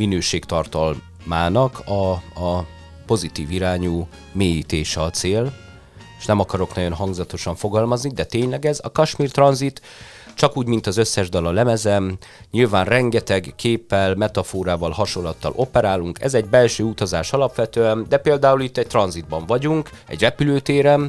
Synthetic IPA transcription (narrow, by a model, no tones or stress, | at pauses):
minøːʃeːkt̪ɒrt̪ɒl | maːnɒkʰɒ | po̞zit̪iːviɾaːɲuː | meːjiːt̪eːʃɛɒt̪seːl | eʃnɛmɒkɒɾo̞knɒɟo̞nɦɒŋɡzɒt̪o̞ʃɒɱfo̞ɡɒlmɒznid̪ɛt̪eːɲlɛɡɛzɒkɒʃmiːrt̪rɒnzit̪ | t͡ʃɒkuːɟmin̪t̪ɒzø̞sːɛʒd̪ɒlɒlɛmɛzɛm | ɲilvaːnrɛŋɡɛt̪ɛɡkʰeːpːɛlmɛt̪ɒfoːɾaːvɒlhɒʃo̞lːɒt̪ːɒ̰lʔo̞pɛɾaːluŋkɛ̰zɛɟ̚bɛlʃøːut̪ɒzaːʃɒlɒpʋɛt̪øːɛnd̪ɛpeːld̪aːulit̪ːɛc̚t̪rɒnzid̪̚bɒɱvɒɟuŋkɛ̰ɟrɛpyløːt̪eːɾɛm